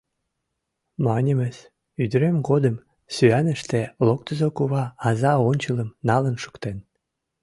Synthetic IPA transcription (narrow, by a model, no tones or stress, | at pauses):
mɑnʲəməs | yd̪əɾemɡod̪əm | syænəʃt̪ĕlok̚t̪əzokuβɑɑzɑonʲt͡ɕələmnɑlənʃu̥kt̪en